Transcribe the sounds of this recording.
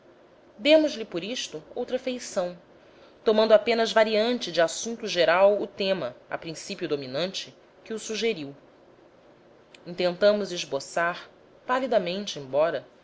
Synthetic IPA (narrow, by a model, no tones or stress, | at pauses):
d̪ẽmʊzlɪpoɾiʃt̪ʊowt̪ɾɐfejsɐ̃w̃ | t̪omɐ̃nd̪ʊapẽnɐzvaɾiɐ̃nt͡ʃɪd͡ʒɪasũnt̪ʊʒeɾawʊt̪ẽmɐa̰pɾĩsipjʊd̪ominɐ̃nt͡ʃɪ | kʲɪusuʒeɾiw | ĩt̪ẽnt̪ɐ̃mʊzɪʒbosaɾ | palid̪ɐmẽnt͡ʃɪẽbɔɾɐ